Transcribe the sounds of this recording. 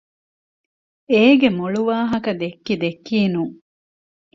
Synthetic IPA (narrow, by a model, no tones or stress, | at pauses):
eːɡemoɭuʋaːɦɐkɐd̪ekːid̪ekːiːnuːŋ